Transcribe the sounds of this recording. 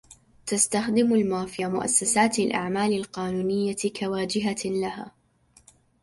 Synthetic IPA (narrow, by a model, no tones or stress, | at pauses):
t̪ast̪axd̪ɪmalmaːfɪjamʊʔa̰sːasaːt̪alʔa̰ʕmaːlɪlqɑːnuːnɪjːakawaːd͡ʒɪɦalaɦa̰ː